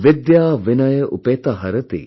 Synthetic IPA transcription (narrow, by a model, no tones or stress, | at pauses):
ʋid̪jaːʋinɐjəʔṵpeːt̪ɐɦɐɾɐt̪ḭ